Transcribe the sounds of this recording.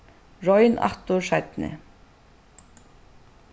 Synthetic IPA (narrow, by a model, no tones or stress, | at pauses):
ɹɔjnʔa̰ht̪ʊɾʂajt̪nɪ̰